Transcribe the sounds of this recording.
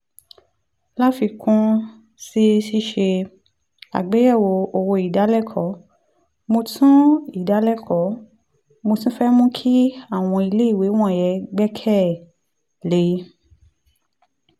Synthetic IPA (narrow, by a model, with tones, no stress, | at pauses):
la˦fi˧kũ˦ | si˦ʃi˦ʃe˧ | a̰˨ɡ͡be˨˦jɛ˦˨wo˧o˨wo˧i˨da˨˦lɛ˦˨kʰɔ˨˦ | mo˧tʰũ˦i˦˨da˨˦lɛ˦˨kʰɔ˨˦ | mo˧tĩ˦fɛ˦mũ˦kʰi˦a˦˨w̃ɔ̃˧i˧le˦i˦˨we˨˦w̃ɔ̃˦˨jɛ˨˦ɡ͡bɛ˦kʰɛ˦˨ | le˨˦